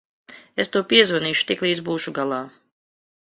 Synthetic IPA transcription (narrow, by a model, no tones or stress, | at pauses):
est̪uɔpiɛzvaniːʃu̥t̪iklˠiːd̪zbuːʃuɡalˠaː